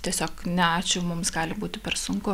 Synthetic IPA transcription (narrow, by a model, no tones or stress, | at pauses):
t̪ʲiɛsʲoːknʲɛɑːt͡ʃʲʊmʊmsɡɑːlʲɪbuːt̪ʲɪpʲɛrsʊŋkʊ